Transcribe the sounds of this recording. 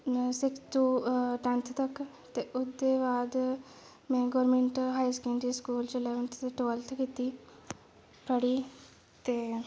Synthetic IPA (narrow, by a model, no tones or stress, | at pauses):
sɪkʰt̪uːʈãnt̪ʰt̪ək | t̪eʔʊd̪eːbaːd̪ | mɛ̃ːɡɔːɾmẽɳʈɦaːiskẽːɳɖiːskuːlt͡ʃelɛːʋəɳʈ̪t̪eʈoːlt̪ʰkit̪iː | pʰəɽiː | t̪eː